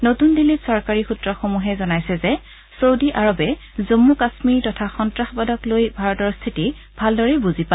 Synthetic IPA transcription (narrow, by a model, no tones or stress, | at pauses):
notundilitsɔɹkaɹixutɹɔxomuɦɛzɔnajsɛzɛ | sowdiʔaɹɔbɛ | zomːukasmiɹtɔtʰaxɔntɹaxbadɔklojbʱaɹɔtɔɹst̪ʰiti | bʱaldɔɹɛbuzipa